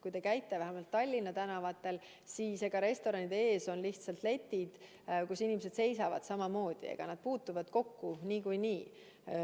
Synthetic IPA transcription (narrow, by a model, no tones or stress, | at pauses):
kujt̪e̞kæjt̪ːˑevæɦæmɑlt̪ːɑlʲːinːɑt̪ænɑvɑt̪ːˑe̞l | siːseɡ̥ɑɾe̞st̪o̞ɾɑnid̪̥ee̞ːso̞nliht̪sɑlt̪le̞t̪ːˑid̪̥ | kusinʲimese̞d̪̥se̞jsɑvɑ̰d̪̥sɑmɑmo̞ːd̪̥ḭḛɡ̥ɑ̰nɑd̪̥̚puːt̪ːuvɑd̪̥ko̞kːuniːkujniː